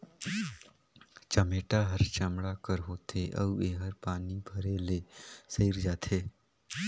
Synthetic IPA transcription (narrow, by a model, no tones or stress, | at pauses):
t͡ʃəmeːʈaɦəɾt͡ʃəmɽakəɾɦoːt̪ʰeʔə̰eːɦəɾpaːnibʱəɾeleːsəɪɾd͡ʒaːt̪ʰeː